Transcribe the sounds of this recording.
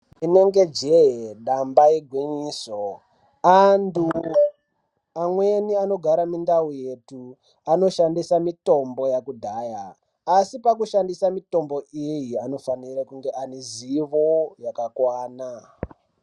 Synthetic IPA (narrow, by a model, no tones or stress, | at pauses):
ine̞ŋɡe̞d͡ʒeɦeɗambaiɡʱwiɲiːso | andu | amwe̞niano̞ɡʱaɾamindauje̞tu | ano̞ʃandisamito̞mbo̞jakudʱaːjaː | sipakuʃandisamito̞mbo̞ʔijiano̞fanirakuŋɡeʔaneziʋojakakwaːna